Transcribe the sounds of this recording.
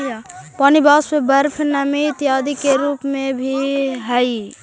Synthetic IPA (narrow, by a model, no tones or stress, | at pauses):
paːnibaːsmebəɾpʰnəmit̪jaːd̪ikeɾuːpmẽbʱiɦəi